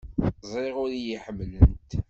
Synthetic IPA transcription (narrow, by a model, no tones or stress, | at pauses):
zˤeʁʊɾjiħəmːlənt̪